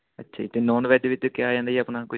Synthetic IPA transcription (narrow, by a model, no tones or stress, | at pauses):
ətːʃʰaːit̪eːnoːnʋɛːdʋɪt̪ːekɪaːd͡ʒãːnd̪aiəpnãːkʊ